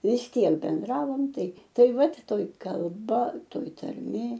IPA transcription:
ʋʲɪs ˈtʲiɛk bʲɛnˈdrɑːʋoːm ˈtɐɪ ˈtɐɪ ˈʋɐt ˈtoːj kɐlˠˈbɐ ˈtoːj tɐrʲˈmʲeː

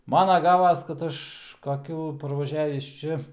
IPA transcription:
ˈmɑːnɐ ˈɡɑːʋɐs kɐt ˈɐʃ kɐˈkʲuː pɐrʋɐˈʒʲæːʋʲiːs ˈt͡ʃʲɛ

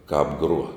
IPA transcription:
ˈkɑːp ˈɡruɔ

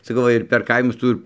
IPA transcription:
sɐˈkɐʊ ˈʋɐ ɪr pʲɛr ˈkɐɪmʊs ˈtuː ɪr

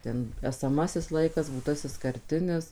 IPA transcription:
ˈtʲɛn ɛsɐˈmɑːsʲɪs ˈlˠɐɪkɐs buːˈtɑːsʲɪs kɐrʲˈtʲɪnʲɪs

